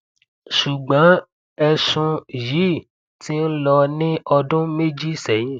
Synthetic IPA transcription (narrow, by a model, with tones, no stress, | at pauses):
ʃu˨ɡ͡bã˨˦ | ɛ˧sũ˧ji˨˦˨ | ti˦n̩˦lɔ˧nĩ˦ɔ˧dʊ̃˦me˦d͡ʒi˦˨sɛ˨jĩ˦